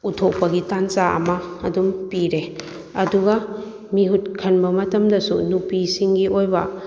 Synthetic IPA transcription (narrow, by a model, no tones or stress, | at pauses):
utʰok̚pɐɡitant͡ʃaʔɐ̰mɐːdumpiɾe | ɐduɡɐ | miɦut̚kʰɐnbɐmɐtɐmdɐsunupisiŋɡiʔojbɐ